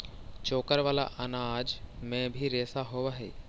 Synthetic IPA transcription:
t͡ʃoːkəɾʋaːla̰ʔɐnad͡ʒmẽbʱiɾeːsaɦoʋaɦḛː

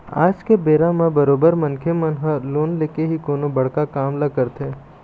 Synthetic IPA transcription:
a̰ːd͡ʒkebeːɾãmẽbɐɾoːbəɾmɐ̃nkʰemɐnɦəloːnleːkeɦikoːnobɐɽ̤kakaːmlɐkəɾt̪ʰẽː

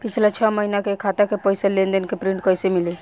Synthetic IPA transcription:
pit͡ʃʰlat͡ʃʰɔməɦinakekʰat̪akepəjselend̪ənkepɾĩɳʈkəjsemili

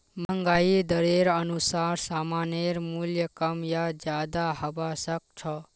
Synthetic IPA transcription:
məŋɡaid̪ʌɾeɾənusaɾsamaneɾmuljəkʌmjad͡ʒjad̪aɦʌbasʌk̚t͡ʃʰʌ

